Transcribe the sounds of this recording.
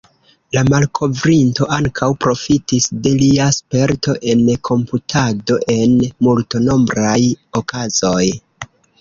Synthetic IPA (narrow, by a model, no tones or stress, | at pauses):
lamalkʰo̞vɾinto̞ʔaŋkʰawpɾo̞fitisde̞liaspe̞ɾto̞ʔe̞nkʰo̞mputʰado̞ʔe̞nmultono̞mbɾajo̞kʰazo̞j